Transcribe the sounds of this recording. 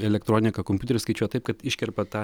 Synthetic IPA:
ɛlʲɛkt̪ɾoːnʲɪkɐkomʲut̪ʲɛɾʲɪskɐɪt͡ʃʲuɔjɛt̪ɐɪp̚kɐt̪ɪʃʲkʲɛɾpɐt̪ɑː

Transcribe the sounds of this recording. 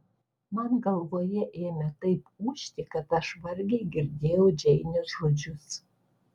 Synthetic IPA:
mɐnɡɐlˠʋoːjɛʔeːmʲɛt̪ɐɪpuːʃʲt̪ʲɪkɐt̪ɐʃʋɐɾʲɡʲeɪɡʲɪɾʲd̪ʲeːjɛʊd͡ʒʲɛɪnʲʊsʒoːd͡ʒʲʊs

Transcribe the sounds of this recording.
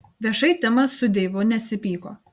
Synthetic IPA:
ʋʲiɛʃɐɪt̪ʲɪmɐssʊd̪ʲeːʋʊnʲɛsʲɪpʲiːkoː

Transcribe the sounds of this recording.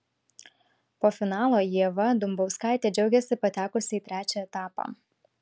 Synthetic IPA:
poːfʲɪnɑːlˠoːjiɛʋɐd̪ʊmbɒʊskɑˑɪt̪ʲeːd͡ʒʲɛʊɡʲɛsʲɪpɐt̪ʲæːkʊsʲɪiːt̪ʲɾʲæːt͡ʃʲɛɛt̪ɑːpɑ̰

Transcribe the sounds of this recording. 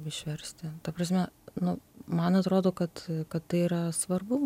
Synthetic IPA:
ɪʃʲʋʲɛɾʲsʲt̪ʲɪt̪ɐpɾɐsʲmʲɛnʊmɐnɐt̪ɾoːd̪oːkɐt̪kɐt̪tːɐɪiːɾɐsʋɐrbʊ

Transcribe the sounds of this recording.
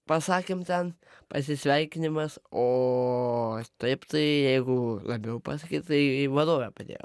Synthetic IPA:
pɐsɑːkʲɪmt̪ʲɛnpɐs̬ʲɪsʲʋʲɛɪkʲɪnʲɪmɐsoː | t̪ɐɪpt̪ɐɪjɛɪɡʊlˠɐbʲɛʊpɑsɐkʲiːtt̪ɐɪʋɐd̪oːʋʲɛpɐd̪ʲḛːjo̰

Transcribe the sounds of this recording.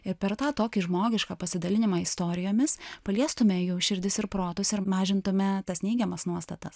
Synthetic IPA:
ɪɾpʲɛɾt̪ɑːt̪oːkʲɪʒmoːɡʲɪʃkɑːpɐsʲɪd̪ɐlʲɪnʲɪmɑːɪst̪oːɾʲɪjoːmʲɪspɐlʲiɛst̪ʊmʲɛjuːʃʲɪɾʲd̪ʲɪsɪɾpɾoːt̪ʊsɪɾmɑːʒʲɪnt̪ʊmʲɛt̪ɐsnʲɛɪɡʲɛmɐsnuɔst̪ɐt̪ɐs

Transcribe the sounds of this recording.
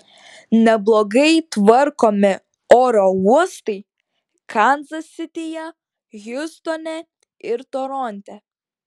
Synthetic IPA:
nʲɛblˠɔɡɐɪt̪ʋɐɾkoːmʲɪ | oːɾɔuɔst̪ɐɪ | kʰɐnzɐsʲɪt̪ʲɪjɛ | ɣʲʊst̪ɔnʲɛ | ɪɾt̪ɔɾɔnʲt̪ʲɛ

